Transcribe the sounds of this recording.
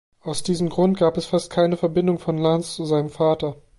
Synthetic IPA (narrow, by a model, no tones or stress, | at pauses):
ʔaʊsd̥iːzəm̩ɡʁʊnt̚ɡ̥aːpɛsfast̚kʰaɪnəfɛɐbɪndʊŋfɔnlanst͡suzaɪnəmfaːtɐ